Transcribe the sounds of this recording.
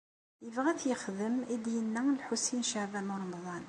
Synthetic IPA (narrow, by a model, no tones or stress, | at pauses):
jəvʁæθjəxðəmid̪jənːæəlħusinʃahbæmuɾˤɑmɑðˤɑn